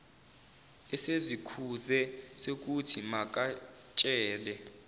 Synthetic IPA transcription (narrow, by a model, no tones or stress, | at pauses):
ɛsezikʰuzɛsek̬utʰimak̬ʼa | t͡ʃʼɛːlɛ